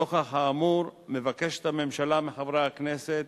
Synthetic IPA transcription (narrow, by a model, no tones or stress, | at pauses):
oχaχaːmuɾme̞vake̞ʃet̪hamemʃalameχavɾeakneset̪